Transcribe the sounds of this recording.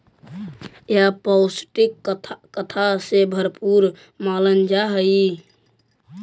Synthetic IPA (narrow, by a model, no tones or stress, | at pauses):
japɔsʈikkət̪ʰasebʱəɾpuɾ | malənd͡ʒaɦəi